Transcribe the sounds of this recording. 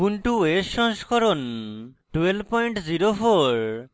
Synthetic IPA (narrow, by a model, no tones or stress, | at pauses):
punʈuesɔŋskʰɔɾon | ʈwelbpɔjɳʈziɾofʰoɾ